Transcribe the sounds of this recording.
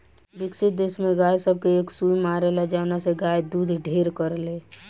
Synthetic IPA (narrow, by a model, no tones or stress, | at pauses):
bɪksɪt̪̚d̪esmẽɡaːjsəb̚ʱkeeːksuimaːɾelad͡ʒaːʋnaseɡaːjd̪uːd̪ʱɖʱeːɾkəɾleː